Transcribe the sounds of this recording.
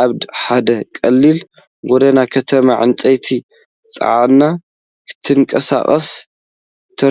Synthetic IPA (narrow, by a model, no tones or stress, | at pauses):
aβd̪ħad̪ɐkʼɐlːil | ɡɔd̪ɐnakʰɐt̪ʰɐmaʕɨ̰nt̪ʼɐjt̪ʰi | t͡sʼɨ̰ʕanːa | kʰɨ̥t̪ʰɨŋkʼɐsa̰χʼɐs | t̪ʰɐ